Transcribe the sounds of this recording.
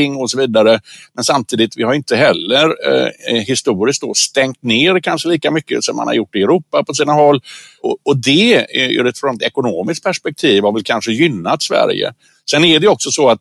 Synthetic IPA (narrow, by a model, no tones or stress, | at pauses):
ɪŋːɔsɔviːd̪aɾəmɛnsamt̪ʰiːd̪ɪt̪vɪhaɾjʏɪnt̪əɦɛlːəɾ | ɦɪst̪uːɾɪsk̚d̪o̰st̪ɛŋt̪neːɾkʰanʂəliːkamʏkːə̰sɔmːa̰ha̰ɾjʊʈːɪɛɾuːpːapɔs̬iːnaɦɔlːɔɔd̪ɛʉ̰ːɾɛt̪fɾɔnɛt̪ɛkʊnoːmɪskt̚pʰæʂpɛk̚t̪ʰiːvhaɾvɛlkʰanʂəjʏnːat̪svæ̰ɾjə̰ | sɛnɛɖɛjɔksɔsɔat̪̚